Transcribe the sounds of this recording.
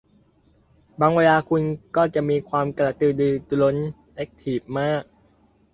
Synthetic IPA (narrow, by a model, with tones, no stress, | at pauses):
baː˧ŋweː˧laː˧kʰu˧nkɔː˥˩t͡ɕa˨˩ʔmiː˧kʰwaː˧mkla˧˩t̪ɯː˧˩dɯː˧t̪u˧lo˦˥n | ʔe˦˥k̚t̪ʰiː˨˩p̚maː˥˩k̚